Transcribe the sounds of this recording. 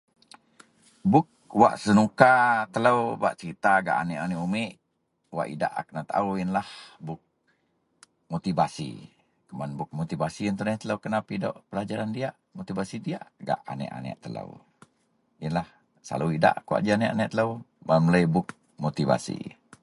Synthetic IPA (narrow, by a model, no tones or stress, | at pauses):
bʊk̚wa̰ʔsənukat̪ələwwa̰ʔsəɾit̪aɡa̰ʔanɛʔanɛʔumɪʔ | wa̰ʔḭda̰ʔak̚nat̪a̰uwinlahbʊk̚ | mot̪ibasḭ | kəmanbʊk̚mot̪ibasiənt̪ənɛht̪ələwkənapido̰ʔpəlad͡ʒaɾandiaʔmot̪ibasidiaʔɡa̰ʔanɛ̰ʔa̰nɛ̰ʔt̪ələ̰w | jənlah | sa̰luida̰ʔkua̰ʔd͡ʒianɛʔanɛʔt̪ələw | mamələjbʊk̚ | mot̪iva̰sḭ